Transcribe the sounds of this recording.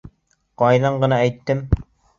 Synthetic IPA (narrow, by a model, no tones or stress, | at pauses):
qɒjðɑɴɢɤ̆nɑæjt̪ːɘm